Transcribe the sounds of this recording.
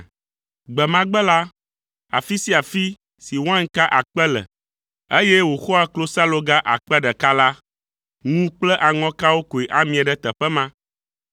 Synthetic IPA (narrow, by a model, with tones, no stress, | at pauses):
ɡ͡bɛ˨mã˦ɡ͡bɛ˦la˦ | a̰˨fi˦si˦a˨fi˦ | si˨wã˦ŋ˦ka˦ʔa˨k͡pɛ˦lɛ̰˨ | e˦jɛ˦wo˨xo˦a˦klo˦sa˦lo˦ɡa˦ʔa̰˨k͡pɛ˦ɖɛ˨ka˦la˦ | ŋũ˦k͡plɛ˦ʔa˨ŋɔ̃˦ka˦wo˦ko˨e˨ʔa˦mĩ˨a˨ɖɛ˦t̪ɛ˨ɸɛ˦mã˦